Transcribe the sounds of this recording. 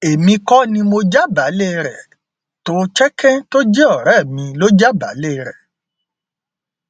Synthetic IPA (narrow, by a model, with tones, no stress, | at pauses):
e˨mĩ˧kɔ˦nĩ˧mo˧d͡ʒa˦ba˨˦le˦˨˧ɾɛ˨ | to˦t͡ʃɛ˦kʰɛ̃˦to˦d͡ʒɛ˦ɔ˦˨ɾɛ˦˨mĩ˧lo˦d͡ʒa˦ba˨˦le˦˨˧ɾɛ˨